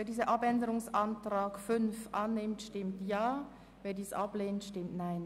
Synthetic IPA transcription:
veːɐdiːzəʔapɛndəʁʊŋsʔantʁ̥aːkfʏnfʔanːɪmtʃtɪmtjaː | veːɐdiːsʔapleːntʃtɪmtnaɪn

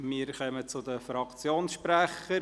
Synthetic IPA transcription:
miːɾχœmət͡sʊd̪əfɾɑkt͡sjoːnsʃpɾæχə

